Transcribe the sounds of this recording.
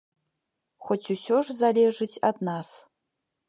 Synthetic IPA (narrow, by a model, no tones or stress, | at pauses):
xʷotʰʲuɕʲoʐzalʲeʐɨtʰʲad̪nas